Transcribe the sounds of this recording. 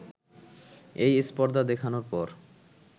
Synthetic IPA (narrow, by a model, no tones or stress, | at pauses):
ejispɔɾd̪ad̪ekʰanoɾpɔɾ